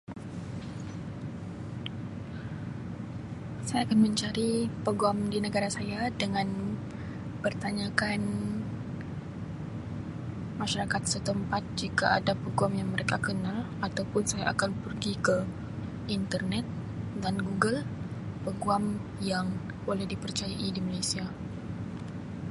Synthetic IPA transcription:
sajaːkanmə̃ɲt͡ʃaɾipəɡuamdinəɡaɾasajadəŋãn | pərt̪aɲakan | maʃaɾakat̪̚sət̪əmpat̪̚d͡ʒikaadapəɡuamjaŋməɾekakənal | at̪awpʊnsaja̰ʔakanpərɡikə | int̪ərnɛt̪̚ | danɡuɡəl | pəɡuamjaŋ | bolɛhdipərt͡ʃajaʔidimalajsia

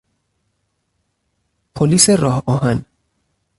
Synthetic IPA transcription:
pʰoliːseɾɒːhɒːɦæn

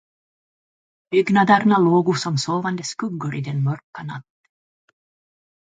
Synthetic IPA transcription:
b̥ʏɡnad̪əɾnaloːɡʊsɔmsoːvand̪əskɵɡːɵɾʔid̪ɛnmœɾkanat̪ː

